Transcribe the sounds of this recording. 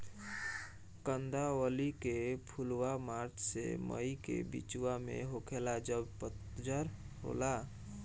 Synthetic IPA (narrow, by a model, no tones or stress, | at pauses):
kənd̪aəlikepʰulwamaɾt͡ʃʰsḛmə̰jkḛbḭt͡ʃuwamḛɦokʰelad͡ʒəbpət̪d͡ʒəɾ | ɦo̰la